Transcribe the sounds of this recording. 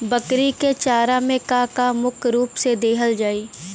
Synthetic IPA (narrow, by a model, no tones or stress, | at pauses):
bəkɾiket͡ʃaːɾamẽkakamʊkʰɾuːpsed̪eːɦəld͡ʒaːiː